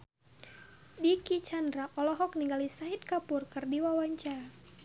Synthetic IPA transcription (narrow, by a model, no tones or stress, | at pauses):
dikit͡ʃandɾaʔɔlɔɦɔk̚niŋɡalisaɦit̪̚kapurkɨrdiwawaɲt͡ʃaa